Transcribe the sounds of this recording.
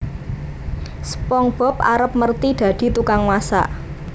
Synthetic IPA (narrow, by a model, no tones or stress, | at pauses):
səpɔŋb̥ɔ̤p̚a̰ɾəp̚mərt̪id̪̥ä̤d̪̥i̤t̪ukaŋwasa̰